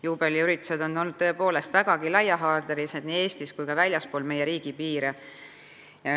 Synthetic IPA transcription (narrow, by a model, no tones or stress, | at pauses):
juːb̥e̞liyɾit̪ːˑu̥se̞d̪̥o̞nːolːnːud̪̥̚t̪ɤ̞e̞po̞ːle̞st̪væɡ̥ɑɡ̥ilɑjɑɦɑːrd̪eɾised̪nie̞ːst̪iskujkɑvælʲjɑspo̞ːlme̞jeɾiːɡ̥ipiːɾe | jɑ